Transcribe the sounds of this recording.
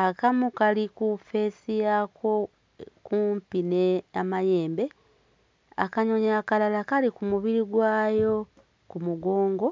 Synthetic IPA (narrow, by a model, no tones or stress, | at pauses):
akamukalikufe̞ːsijako̞ | kuːmpineamaje̞ːmbe̞ | akaɲo̞ɲaːkalalakalikumuβiɾiɡwaːjo̞ | kumuɡo̞ːŋɡo̞